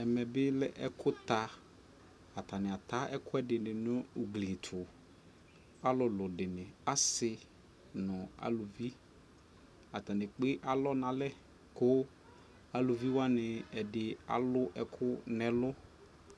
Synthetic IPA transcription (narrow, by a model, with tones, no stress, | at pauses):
ɛ˨mɛ˨bɪ˦lɛ˦ʔɛ˦kʰʊ˦t̪a˨ | a˨t̪a˨nɪ˨a˨t̪a˨˦ɛ˦kʊ˦ɛ˦dɪ˨nɪ˨nʊ˦ʊ˨ɡli˨t̪ʰʊ˨ | a˦lʊ˨lʊ˨dɪ˨nɪ˨a˦sɪ˨ | nʊ̃˨a̰˨lʊ˨vi˦ | a˨t̪a˨nɪ˨k͡pɪ˦ʔa˨lɔ˦nã˨lɛ˦ | kʊ˦ | a˨lʊ˨vi˦wa˦nɪ˨ɛ˨dɪ˨a̰˨lʊ˦ʔɛ˦kʰʊ˦nɛ̃˨lʊ˦